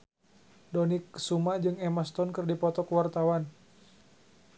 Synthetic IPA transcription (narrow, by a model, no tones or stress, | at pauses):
dɔniksumad͡ʒɨŋɛmast̪ɔnkɨrdipɔt̪ɔkəwart̪awan